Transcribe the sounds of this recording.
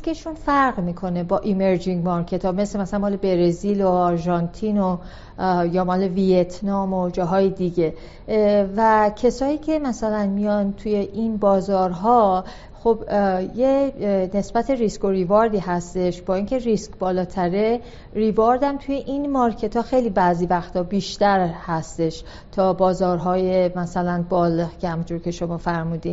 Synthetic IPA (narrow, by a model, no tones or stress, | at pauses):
skeʃunfæɾɣmiːkʰo̞ne̞bɒːʔime̞ɾd͡ʒiŋɡmɒɾcʰe̞t̪ʰɒːmeslemæsælæmɒːlebeɾeziloɒɾʒɒnt̪ʰino | jɒːmɒːleviet̪ʰnɒːmod͡ʒɒːɦɒːjed̪iɟe̞ | væcʰesɒːiːcʲʰe̞mæsælænmijɒnt̪ʰuje̞ʔinbɒːzɒːɾɦɒ | xobjene̞sbæt̪ʰe̞ɾisko̞ɾivɒɾd̪iːhæst̪e̞ʃb̥ɒːiːŋcʰe̞ɾiskbɒːlɒːt̪ʰæɾe̞ | ɾivɒɾd̪æmt̪ʰuje̞ʔinmɒɾcʰe̞t̪ʰɒːxejliːbæziːvæxt̪hɒːbiːʃt̪æɾhæst̪e̞ʃ | t̪ʰɒːbɒːzɒːɾɦɒːje̞mæsælænbɒːlecʰehæmunt̪ʰoɾcʲʰe̞ʃo̞mɒːfæɾmuːd̪in